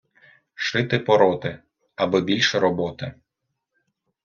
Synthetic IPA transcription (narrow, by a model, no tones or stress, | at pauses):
ʃɪt̪ɪpɔɾɔt̪ɪ | ɐbɪbʲilʲʃɛɾɔbɔt̪ɪ